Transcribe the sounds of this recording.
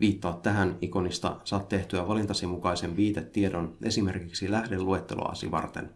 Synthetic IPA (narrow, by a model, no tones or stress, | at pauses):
ʋiːt̪ːɑːt̪ːæɦæniko̞nist̪ɑ̰sɑːt̪teht̪yæʋɑlint̪ɑsimukɑjse̞mʋiːt̪et̪ːie̞do̞nʔe̞sime̞rkiksilæhde̞lːue̞t̪ːe̞̰lʔo̰ɑ̰sḭʋɑ̰rt̪en